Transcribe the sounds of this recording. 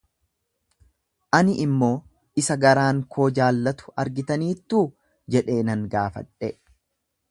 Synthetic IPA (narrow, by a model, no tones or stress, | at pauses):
ʔɐnɪʔɪmːo̞ː | ɪsɐɡɐɾaːŋkʰo̞ːd͡ʒaːlːɐt̪ʊ̥ɐɾɡɪt̪ɐniːt̪ːuː | d͡ʒɛᶑe̞ːnɐŋɡaːfɐ̰ᶑɛ